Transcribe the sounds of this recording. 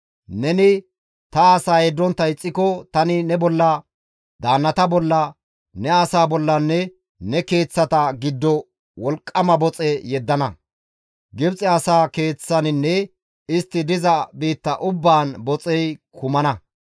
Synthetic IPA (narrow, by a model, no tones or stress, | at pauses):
nɛnɪ | t̪ɐːsaːjɛd̪ːɔnt̪ːɐɪt͡sʼːɪkɔt̪ɐnɪnɛbɔlːɐ | d̪aːnːɐt̪ɐbɔlːɐ | nɛɐsaːbɔlːɐnːɛ | nɛke̞ːt͡sːɐt̪ɐɡɪd̪ːɔ | wɔlkʼːɐmɐbɔt͡sʼɛjɛd̪ːɐnɐ | ɡɪbt͡sʼɛɐsaːke̞ːt͡sːɐnɪnːɛ | ɪst̪ːɪd̪ɪzɐbiːt̪ːɐʔʊbːaːnbɔt͡sʼɛjkʰʊmɐnɐ